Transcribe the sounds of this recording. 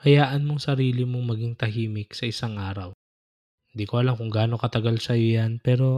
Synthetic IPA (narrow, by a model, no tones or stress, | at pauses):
kɐjaːʔɐnmoŋsɐɾiːlɪmo̞ŋmɐɡiŋt̪ɐɦiːmɪksɐʔɪsaŋʔaːɾɐw | ɪnd̪iːkoʔɐlaŋkʊŋɡaːno̞kɐt̪ɐɡalsɐjojanpɛːɾo̞